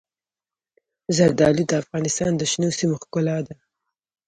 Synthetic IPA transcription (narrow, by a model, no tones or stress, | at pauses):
zaɾd̪ɑlid̪əafɣɑnɪst̪ɑnd̪əʃnesimoxkʊlɑd̪a